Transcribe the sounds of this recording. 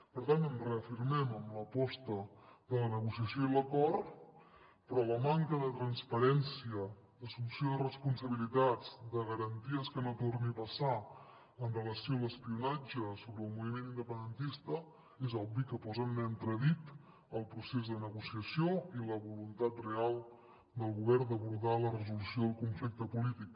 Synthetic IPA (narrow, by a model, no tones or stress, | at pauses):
pəɾt̪ant̪ənrəəfiɾmɛməmləpɔst̪əðələnəɣusiəsjoiləkɔɾt̪ | pɾɔləmaŋkəðət̪ɾənspəɾɛnsiə | d̪əsulusijoðərəspunsəβ̞ilit̪ad͡zd̪əɣəɾənt̪iəskənot̪ornipəsa | ənrələsioələspiunad͡ʒəsoβɾəːlˠmuβimenind̪əpənd̪ənt̪ist̪ə | ezɔbikəpɔzənnɛnt̪ɾəðit̪ | əlˠpɾusezðənəɣusiəsjoiləβulunt̪at̪realˠ | d̪əlˠɣuβɛrnd̪əβuɾðalərəzulusjoðəlˠkuɱflik̚t̪əpulit̪ik̚